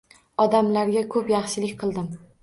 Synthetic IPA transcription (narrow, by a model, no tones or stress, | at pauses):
ɒd̪amlaɾɡʲakʰɵpjɑχʃɪlɪkʲqʰɨlˠd̪ɪm